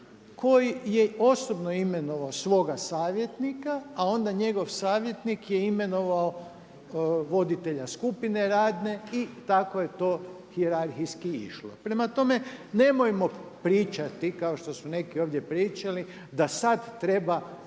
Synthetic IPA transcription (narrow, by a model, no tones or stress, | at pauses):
kʰo̞jijeo̞sobno̞ime̞no̞ʋaosʋo̞ɡasaːʋje̞t̪nikaao̞nd̪aɲe̞ɡo̞ʋsaːʋje̞t̪nikjeime̞no̞ʋao | ʋo̞d̪it̪e̞ʎaskupine̞ɾaːd̪ne̞it̪akoje̞t̪o̞ː | hieɾaɾxijskiḭʃlo̰pɾe̞mat̪o̞me̞ne̞mojmo̞pɾiːt͡ʃat̪ikao̞ʃt̪o̞sune̞kio̞ːʋd̪je̞pɾiːt͡ʃali | d̪asad̪t̪ːɾe̞ba